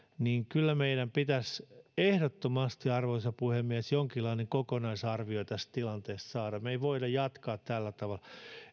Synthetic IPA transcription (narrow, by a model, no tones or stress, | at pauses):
niːŋkylːæmeiɾæmpit̪æsehdot̪ːomɑst̪iɑrʋoisɑpuhemːiæsjoŋkilːˑɑineŋkokonɑisɑrʋioit̪æst̪t̪ilɑnt̪eːst̪sɑːɾɑmeiʋoidɑjjɑt̪kɑːt̪t̪ælːæt̪ɑʋɑl